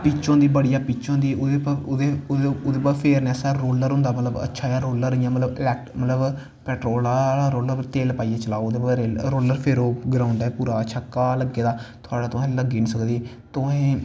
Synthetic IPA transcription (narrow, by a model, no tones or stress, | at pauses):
pit͡ʃõːnd̪iːbəɽijaːpiːt͡ʃõːnd̪iːod̪eːpːd̪ed̪eːpaːpʰeːɾneːsaɾoːləɾɦʊ̃nd̪aːmət̪ləbə̰tːʃʰaːjaːɾoːləɾijãːmət̪ləbɪlɛːk̚ʈmət̪ləb | pɛːʈɾoːlalaːɾoːləɾt̪eːlpaːiɛːt͡ʃəlaːoːd̪eːpaɾeːɾoːləɾpʰeɾoːɡɾaːʊɳɖɛːpuːɾaːt͡ʃʰəkːaːləɡeːd̪aːt̪ʰʊaːɽaːt̪õɦẽːləɡiːnisəkd̪eː | t̪oẽː